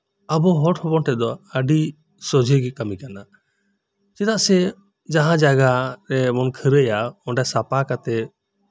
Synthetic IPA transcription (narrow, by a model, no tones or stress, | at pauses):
abɔɦɔʈhɔbɔnʈɛd̪ɔəɖi | sɔd͡ʒʱəɡɛkamikana | t͡ʃɛd̪aʔsɛ | d͡ʒaɦãd͡ʒaɡaɾɛmɔnkʰəɾəjaɔɳɖasapakat̪ɛ